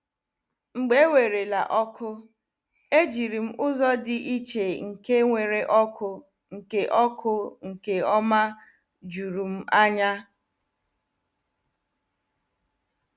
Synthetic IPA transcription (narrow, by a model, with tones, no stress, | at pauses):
ŋ͡m̩˨ɡ͡be˦wʷe˨ɾe˨la̰˨ʔɔ˦kʰʊ˦ | e˦d͡ʒi˨ɾi˨m̩˦ʔʊ˦zɔ˦dɪ˦ʔi˦t͡ʃe˨ŋ̩˨ke˦ŋʷe˨ɾe˨ʔɔ˦kʊ˦ | ŋ̩˨ke˨ʔɔ˦kʰʊ˦ŋ̩˨ke˨ɔ˦ma˦ | d͡ʒu˨ɾu˨m̩˦a˦ɲa˦